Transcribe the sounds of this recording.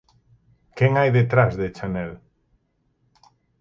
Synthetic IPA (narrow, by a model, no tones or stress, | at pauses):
kɛŋajðet̪ɾazðet͡ʃanɛl